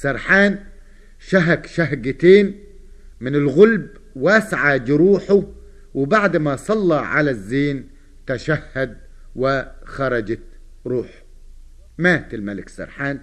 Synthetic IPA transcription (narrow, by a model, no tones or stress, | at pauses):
sɑɾˤħaːn | ʃaɦakʃaɦɡɪt̪eːn | mɪnɪlɣʊlb | wasʕad͡ʒɾuːħʊ | wɪbaʕd̪masˤɑlːɑʕalazːeːn | t̪aʃahːad̪̚ | wɪxɑɾˤɑd͡ʒa | ɾˤuːħʊ̥ | maːt̪ɪlmalɪksɑ̰ɾˤħaːn